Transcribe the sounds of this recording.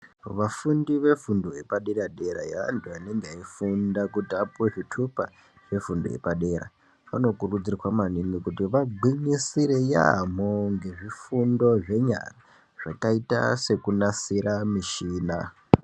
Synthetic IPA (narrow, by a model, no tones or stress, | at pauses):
ʋafundiʋe̞fundo̞ɦe̞paɗeɾaɗe̞ɾajaʋa̰ntʰuane̞ŋɡeaifundakutiapweʐitʰupa | ʐe̞fundojḛpaɗe̞ɾa̰ | ʋano̞kurud͡zirwamanimikutiʋaɡʱwiɲisiɾeja̰moŋɡe̞ʐifundo̞ʐe̞ɲa̰ra | ʐ̥akaita̰se̞kunasiɾamiʃiːna